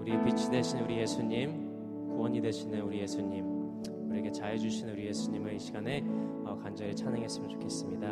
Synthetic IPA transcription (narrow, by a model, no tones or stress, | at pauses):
uɾipit͡ɕʰide̞ɕʰinuɾije̞sʰuɲim | kuwʌɲide̞ɕʰinɯnuɾije̞sʰuɲim | uɾiɡʰet͡ɕaed͡ʑuɕʰinuɾije̞sʰuɲimɯɭiɕʰiɡane̞ | ʌkand͡ʑʌɾit͡ɕʰanɯŋɦes͈ɯmɯnt͡ɕo̥kʰe̞s͈ɯmɲida